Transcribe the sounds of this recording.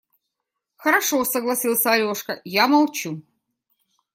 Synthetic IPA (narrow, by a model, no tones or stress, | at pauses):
xəɾɐʂosəɡlˠɐsʲilˠsʲəɐɾʲoʂkəjamɐlˠt͡ɕu